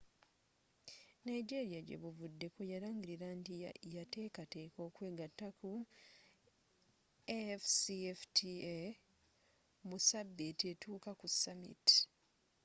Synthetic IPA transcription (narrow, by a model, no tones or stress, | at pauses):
najɟe̞ɾiaɟe̞̰βuvudːe̞kojaɾaːɲɟiɾiɾantijate̞ːkate̞ːko̞ːkwe̞ːɡatːaku | efsieftʰie | musabːite̞tuːkakusːamḭti̥